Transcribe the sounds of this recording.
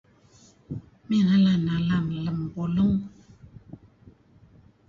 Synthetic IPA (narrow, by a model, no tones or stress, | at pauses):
minalanalamləmboloŋ